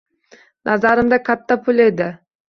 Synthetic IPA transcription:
nʔazaɾɨmd̪akʰat̪ːapʰʊlʲe̞d̪ɪ

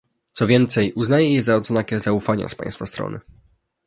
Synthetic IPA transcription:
t̪sɔvʲjɛnt̪sɛjʔuznajɛjɛzaɔd̪znakʲɛzaufaɲa̰spa̰j̃st̪fast̪ɾɔ̰nɘ̰

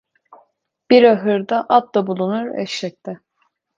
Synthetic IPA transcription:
b̥iɾaɦɯɾd̪aʔap̚d̪abulˠunuɾɛ̰ʃʃɛc̚t̪ʰɛ

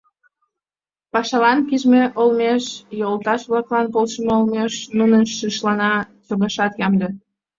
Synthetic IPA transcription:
pɑʃɑlɑnkiʒmeʔolmeʃjolt̪ɑʃβlɑklɑnpolʃəməolmeʃnunənʃiʃlɑnɑt͡soɣɑʃɑt̪jɑmd̪e

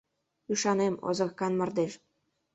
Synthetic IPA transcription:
yʃɑnemo̰zə̆kɑnmərd̪eʃ

